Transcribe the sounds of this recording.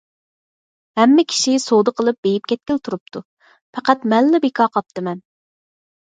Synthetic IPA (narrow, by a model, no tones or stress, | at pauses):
hɛmːɪkʲʰi̥ʃisod̪ɨqʰəlˠɨp̚bejip̚kʲʰɛt̪̚kʲɪlt̪ʰuɾup̚t̪ʰu | pʰɛqæt̪mɛlːɪbekʰɑːqʰɑp̚t̪ɨmɛn